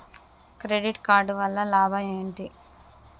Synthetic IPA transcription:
kɾeɖiʈkaːɾɖʋɐlːɐlaːbʱɐeːɳʈi

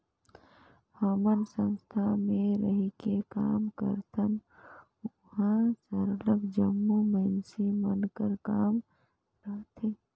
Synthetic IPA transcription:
həmənsə̃nst̪ʰamẽɾəɦikekaːmkə̰ɾt̪ʰən | hãsəɾləɡd͡ʒəmːumənsimənkəɾkaːm | ɾəɦt̪ʰe

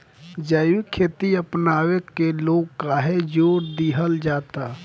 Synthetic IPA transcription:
d͡ʒəʋikʰːeːt̪iəpnaːwekeloːɡkaɦed͡ʒoːɾd̪iɦəld͡ʒaːt̪a

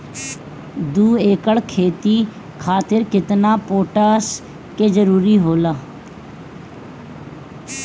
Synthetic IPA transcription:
d̪uːeːkəɭkʰeːt̪iː | kʰaːt̪ɪɾkɪt̪naːpoːʈaːs | keːd͡ʒəɾuːɾiːɦoːlaː

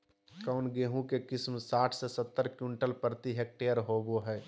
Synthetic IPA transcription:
kaʊnɡeːɦũkekɪsmsaːʈʰsesət̪ːəɾkjuɳʈəlpɾt̪iɦek̚ʈejəɾɦoboɦɛː

